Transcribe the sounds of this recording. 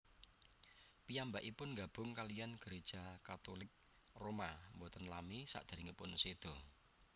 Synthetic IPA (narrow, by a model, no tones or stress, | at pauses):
pijambaʔipʊnŋɡab̥ʊ̤ŋkalijanɡ̥əɾed̥ʒ̥a̤kat̪olɪk̚ | romambɔt̪ənlamisa̰ʔd̪̥a̤ɾiŋipʊnsed̪̥ɔ̤